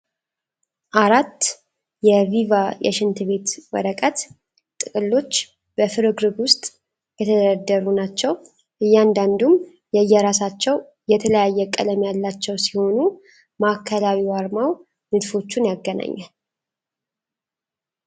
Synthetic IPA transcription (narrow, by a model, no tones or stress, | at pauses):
ʔaɾat̪ː | jɛvivajɛ̰ʃɪnt̪ʰɨβe̞t̪wɔ̰ɾəkʼət̪ | t̪ʼːɨkʼɨlːo̞t͡ʃː | b̥əfɨɾɨɡɾɨɡwʊst̪ʼ | jɛt̪ʰəd̪ɾəd̪ːəɾunat͡ʃːɛw | ʔɨjːɛand̪and̪um | jɛjːɛɾasat͡ʃːɛw | jɛt̪ʰələjajːɛkʼə̰ləmjalːat͡ʃːɛwsiho̞nu | makʰːəlawiwaɾmaw | nɨd̪fo̞t͡ʃːunjaɡːəna̰ɲːa